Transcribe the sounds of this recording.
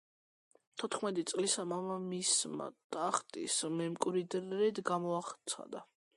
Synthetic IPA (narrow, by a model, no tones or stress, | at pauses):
t̪ʰɔt̪χmɛt̪ʼit̪sʼlisamamamisma̰t̪ʼaχt̪ʼḭsmɛmkʼɾid̪ɾɛd̪ɡamɔaχt̪sʰa̰d̪a